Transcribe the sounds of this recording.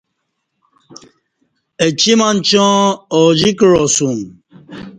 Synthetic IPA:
et͡ʃimant͡ʃɔ̃ːɔd͡ʒikɾɔsum

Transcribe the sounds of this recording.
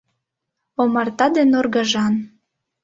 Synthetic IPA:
omɑrt̪ɑd̪enorɡɑʒɑn

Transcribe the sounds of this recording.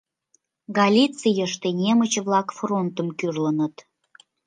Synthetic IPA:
ɡɑlʲit͡sijəʃt̪enʲemət͡ɕβlɑkfront̪əmkyrlənət̪

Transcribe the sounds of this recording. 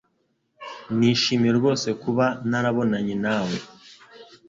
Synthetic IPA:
niːʃiːmieɾɡo̞ːse̞kuβanaɾaβo̞naɲinaːwe̞

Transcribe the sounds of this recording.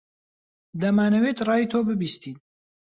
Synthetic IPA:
d̪ɐmaːnɐwet̪rɑːjit̪ʰoːbɨbiːst̪iːn

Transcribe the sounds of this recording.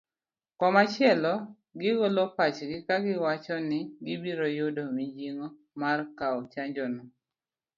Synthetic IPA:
kɔmat͡ʃɪɛlɔ | ɡɪɡolopat͡ʃɡɪkaɡɪwat͡ʃɔnɪɡɪbiɾojʊdomid͡ʒiŋo | markaɔt͡ʃaɲd͡ʒɔnɔ

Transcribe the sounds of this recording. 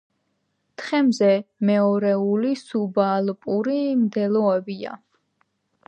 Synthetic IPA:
t̪ʰχɛmzɛmɛɔɾɛulisubalpʼuɾimd̪ɛlˠɔɛbia̰

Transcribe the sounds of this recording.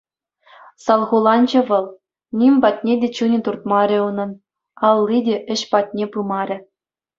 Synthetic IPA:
sɑlˠʁulˠɑnd͡ʑɤ̆ʋɤ̆lˠ | nʲimʲbɑtʲnʲedʲet͡ɕunʲĕt̪urt̪̚mɑɾʲĕunɤ̆n | ɑlˠːidʲeʔɘ̆ɕpɑtʲnʲepɯmɑɾʲɘ̆

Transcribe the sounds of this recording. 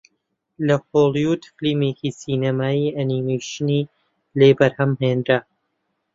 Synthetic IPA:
lɐfolˠijuːd̪flimeːcisiːnɐmaːiːɐnimejʃɨniː | leːbɐɾhɐmɦeːnd̪ɾa

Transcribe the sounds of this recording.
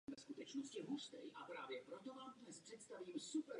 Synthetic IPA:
vɛskut̪ɛt͡ʃnost̪jɛɦust̪ɛ̰jʔapɾaːvjɛpɾo̞t̪o̞vaːmd̪nɛspr̝̥ɛt̪st̪aviːmsupɛɾ

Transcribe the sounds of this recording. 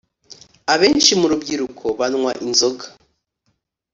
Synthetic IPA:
aβe̞ːnʃimuɾubɡiɾukʰo̞βanŋwaʔinzo̞ɡa

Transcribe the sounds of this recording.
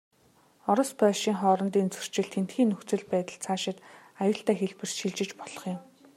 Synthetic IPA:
ɔɾɞ̆spœːʃiːŋχɔːɾɞ̆nt̪iːnt͡sɵr̥t͡ɕɪ̆ɮt̪ʰen̥t̪xiːnːɵxt͡sɘ̆ɮpæːt̪ə̆ɮt͡sʰaːʃɪ̆t̪ | ajʊːɬt̪æːxeɮpɘ̆rsʃiɮt͡ɕɪ̆t͡ɕpɔɮɞ̆χjʊ̆m

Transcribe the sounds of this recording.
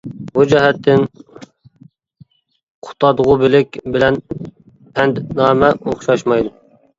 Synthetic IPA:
bud͡ʒɛɦɛt̪ʰːɪn | qʰʊ̥t̪ʰɑd̪əʁʊbɪlɪkʲbɪlɛn | pʰɛnd̪nɑːmɛoχʃɑʃmɑjd̪u

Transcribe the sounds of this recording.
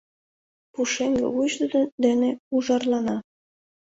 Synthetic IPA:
puʃeŋɡḛβuʒd̪ə̆d̪ed̪eneuʒɑrlɑnɑ

